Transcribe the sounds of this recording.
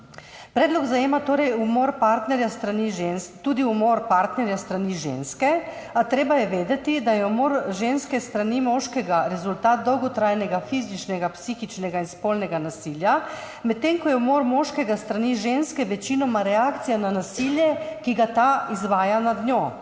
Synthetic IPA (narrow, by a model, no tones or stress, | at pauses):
pɾɛːd̪lɔɡzajeːmat̪oːɾɛjumoɾpaɾt̪nɛɾjast̪ɾaniʒenst̪uːd̪iumoːɾpaɾt̪nɛɾjast̪ɾaniʒḛnskɛ | at̪ɾeːbajɛʋeːd̪ɛt̪id̪ajɛumoːɾʒenskɛst̪ɾanimɔʃkɛɡaɾɛzult̪aːt̪̚d̪ɔwɡɔt̪ɾajnɛɡafiːzit͡ʃnɛɡapsiːxit͡ʃnɛɡainspoːlnɛɡanasiːlja | mɛt̪ːeŋkɔjɛumoɾmɔʃkɛɡast̪ɾaniʒenskɛʋɛt͡ʃiːnɔmaɾɛakt̪sijananasiljɛkiɡat̪aizʋaːjanad̪njo